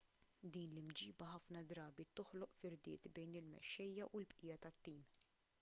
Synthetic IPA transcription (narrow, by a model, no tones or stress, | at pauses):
d̪iːnlɪmd͡ʒiːbɐhɐfnɐd̪ɾɐːbit̪ʊħlɔʔfɪɾd̪ɪ̰ːt̪bɛjnɪlmɛ̰ʃːɛjːɐʔulbʔɪjɐt̪ɐt̪ːiːm